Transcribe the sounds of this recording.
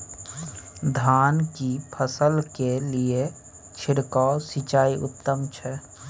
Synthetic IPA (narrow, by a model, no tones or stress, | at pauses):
d̪ʱaːnkipʰəsəlkelie | t͡ʃʰɪɽkasit͡ʃaːiʔʊ̰t̪ːəmt͡ʃʰɛ